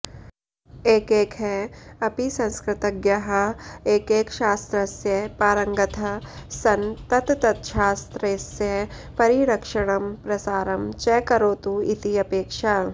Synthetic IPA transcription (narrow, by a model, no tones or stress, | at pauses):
eːkeːkɦɛɐpisɐ̃nskɾɪt̪ɐɡjɐɦɐeːkeːkʃaːst̪ɾɐsjɐpaːɾɐ̃ŋɡɐt̪ʰɐsɐnt̪ɐt̪t̪ɐt̪ʃaːst̪ɾeːsjɐ | pɐɾiɾɐkʃɐɽ̃ɐmpɾɐsaːɾɐmt͡ʃɛːkɐɾoːt̪uḭt̪iɐpeːkʃaː